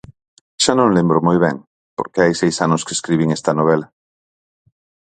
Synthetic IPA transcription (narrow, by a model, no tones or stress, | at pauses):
ʃanõŋlembɾomojβɛ̰ŋ | po̰ɾkeajsejsanʊskeskɾiβiŋest̪ɐnoβ̞ela